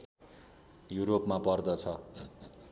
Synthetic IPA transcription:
juɾopmapʌrd̪ʌt͡sʰʌ

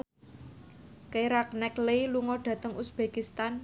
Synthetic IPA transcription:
keɾak̚nɛkleluŋɔɖ̥ä̤t̪əŋʔusb̥e̤kist̪an

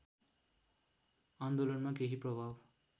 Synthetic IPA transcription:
and̪olʌnmakeɦiprʌbʱab

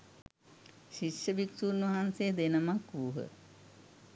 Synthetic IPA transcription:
ʃiʃjəʋiksuːnʋɐɦansejəd̪enəmakʋuɦə̰

